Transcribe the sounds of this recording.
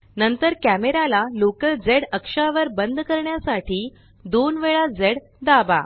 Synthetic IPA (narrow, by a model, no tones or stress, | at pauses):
nənt̪əɾkæmeɾalalokəld͡zeɽəkʂaʋəɾbənd̪ʱkəɾɳjasaʈiː | d̪onʋeɭad͡zeɽ | d̪aba̰